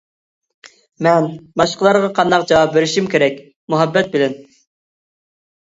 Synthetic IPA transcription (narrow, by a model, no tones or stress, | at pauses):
mɛnbɑʃqəlˠɑɾʁɑqʰɑnd̪ɑq̚d͡ʒɑwɑp̚beɾɪʃimkʲʰeɾɛkʲ | muɦɛbːɛt̪̚bɪlɛn